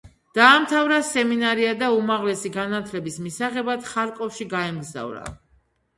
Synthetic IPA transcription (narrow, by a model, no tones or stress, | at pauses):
d̪̥aːmt̪ʰavɾasɛminaɾiad̪aumaʁlɛsiɡanat̪ʰlɛbismisaʁɛbad̪̥χaɾkʼɔfʃiɡaɛmɡza̰vɾa̰